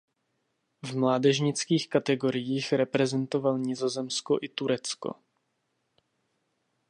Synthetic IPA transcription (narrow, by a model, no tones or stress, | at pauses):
vmlaːdɛʒɲɪt͡skiːxkat̪ɛɡo̞ɾɪjiːxɾɛpɾɛzɛnt̪o̞valɲɪzo̞zɛmskoʔɪt̪uɾɛt͡sko̰